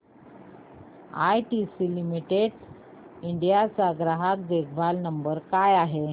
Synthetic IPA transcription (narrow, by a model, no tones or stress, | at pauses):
a̰jʈisilimiʈeɽ | iɳɖijat͡saɡɾaɦak̚d̪ekʰbʱalnəmbəɾkajaɦe